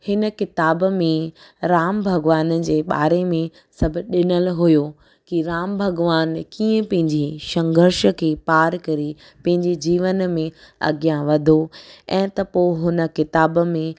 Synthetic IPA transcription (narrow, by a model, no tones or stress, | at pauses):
hɪnəkɪt̪aːbmẽ | ɾaːmbʱɐɡʋaːnəd͡ʑeːɓa̰ːɾemẽ | sɐbʱɪ̆ɗɪnəlɦʊjo | kiɾaːmbʱɐɡʋaːnkiːə̃pɐ̃ɦɪ̃ɲd͡ʑiʃɐ̃ŋɡʱəɾʃəkʰeːpaːɾkɐɾi | pɐ̃ɦɪ̃ɲd͡ʑid͡ʑiːʋənmẽɐ̰ɡjãʋɐd̪ʱoɛ̃ːt̪ɐpoɦʊnə̆kɪt̪aːbmẽ